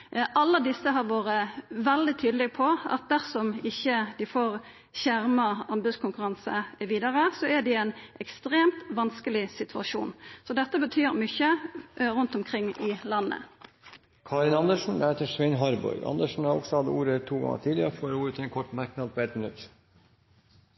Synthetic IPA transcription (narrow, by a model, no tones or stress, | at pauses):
ʔɑlːəd̪ɪsːəɦɑʁʋoːɾəʋɛld̪ɪt̪ʰyːd̪əlɛɡpʰɔʔɑ̰t̪̚d̪æʁsɔmɪçːəd̪ɪfoːʁ | çæʁmɑɑmbʉskʰʊŋkʉʁɑnsəʋiːd̪əʁəsɔɛd̪ɪɛnʔɛkst̪ʁeːmt̪ʋɑnskəlɪsɪt̪ʰʉɑʂuːnsɔd̪ɛt̪ːəbət̪ʰyːʁmʏçəɾʉnt̪ɔmkʰʁɪŋːɪlɑnːə̰ | kʰɑːɾɪnɑnd̪əʂn̩lheːt̪əʂʋɛnɦɑɾbɔ̰ʏɑ̰nd̪əʂɳ̩hɑɾɔ̰ɡsɔhɑd̪əuːɾət̪ʰuːɡɑ̰ŋːə̰t̪ʰiːd̪lɪəɾəfoːɾuːɾət̪ʰɛnkʰɔʈːmæɾknɑd̪̚pʰɔɛt̪mɪnʉ̰t̪ː